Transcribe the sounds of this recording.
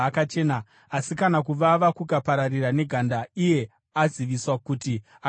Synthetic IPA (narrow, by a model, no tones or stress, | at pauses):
kat͡ʃe̞ːna | asikanakuʋaʋakukapaɾariɾane̞ɡʱandaije̞ | aziʋiswakuti | a